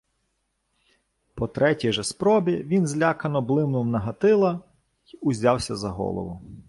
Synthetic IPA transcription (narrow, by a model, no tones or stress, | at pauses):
pɔt̪ɾɛtʲijʒɛspɾɔbʲiʋʲinzlʲakɐnɔblˠɪwnʊwnɐɦɐt̪ɪlˠɐ | iʊzʲɑwsʲɐzɐɦɔ̰lˠɔ̰ʋʊ